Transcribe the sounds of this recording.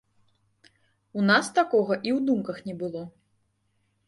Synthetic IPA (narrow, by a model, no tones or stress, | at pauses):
unast̪akɔɣɐʔiwd̪umkɐxnʲɛbɨlˠɔ